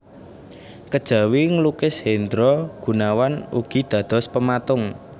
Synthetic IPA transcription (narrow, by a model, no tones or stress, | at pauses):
kəd̥ʒ̥ä̤wiŋəlukɪsɦend̪ɾɔɡ̥ṳnawanṵɡ̥i̤d̪̥ä̤d̪̥ɔ̤spəmat̪ʊŋ